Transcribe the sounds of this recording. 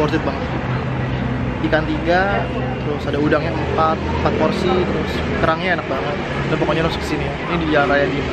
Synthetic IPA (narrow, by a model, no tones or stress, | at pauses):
ɔrd͡ʒɪt̪̚baŋət̪ | pikant̪iɡa | t̪əɾʊsadaudaŋɲaəmpat̪̚əmpat̪̚pɔrsit̪əɾʊs | kəɾaŋɲaenak̚baŋət̪̚ | danpɔkɔɲaɾʊskə̥siniainidiaɾajadi